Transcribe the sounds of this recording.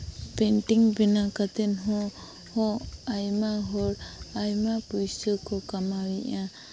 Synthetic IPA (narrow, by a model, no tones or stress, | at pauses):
pɛnʈiŋbɛnakat̪ɛnɦɔ̃ | hɔ̃ajmaɦɔɾajmapujsəkɔkamawiʔa